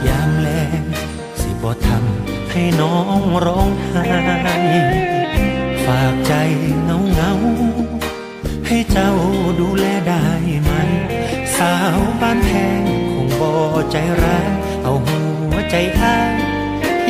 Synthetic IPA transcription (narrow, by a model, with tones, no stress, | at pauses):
jaː˧˩mlɛː˧ŋ | si˧˦bɔː˧˦t̪ʰa˧m | ha˧˩jnɔː˦˥ŋɾɔː˧˥ŋh̪ʰaː˧j | faː˨˩k̚t͡ɕa˧jŋa˧˥wŋa˧˦w | ha˧˩jt͡ɕa˧˩wduː˧˥lɛː˧da˧˩jma˧˥n | saː˨˧˦wbaː˧˥˩np̪ʰɛː˧ŋkʰo˧ŋbɔː˧˩t͡ɕa˨˧jɾaː˧˦˥t̪ | ʔa˧˩wɦuː˧˦ə˦t͡ɕa˧˦jʔaː˧˥